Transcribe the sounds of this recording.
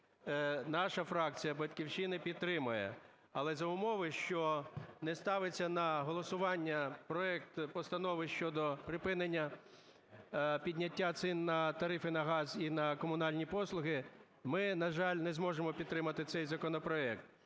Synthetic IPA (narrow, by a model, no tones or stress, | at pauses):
nɑʃɐfɾɑk̚t͡sʲijɐbɐtʲkʲiwʃt͡ʃinɪpʲid̪̚t̪ːɾɪmɐjɛ̰ | ɐlˠɛzɐʊmɔʋɪʃt͡ʃɔnɛst̪ɑʋɪt͡sʲːɐnɐɦɔlˠɔsʊʋɑnʲːɐpɾɔɛk̚t̪pɔst̪ɐnɔʋɪʃt͡ʃɔd̪ɔpɾɪpɪnenʲːɐ | pʲidʲnʲɐtʲːat̪sɪnːɐt̪ɐɾɪfɪnɐɦɑzinɐkɔmʊnɑlʲnʲipɔslˠʊɦɪ | mɪnɐʒɑlʲnɛzmɔʒemɔpʲid̪̚t̪ɾɪmɐt̪ɪt̪sɛjzɐkɔnɔpɾɔɛk̚t̪